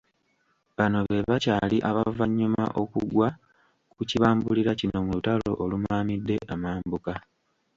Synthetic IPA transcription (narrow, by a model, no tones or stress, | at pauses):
βano̞βe̞βacaːliʔaβavaɲːuma̰ʔo̞kuɡwa | kuciβaːmbuliɾacino̞mulutalo̞̰ʔolumaːmidːe̞ʔamaːmbuka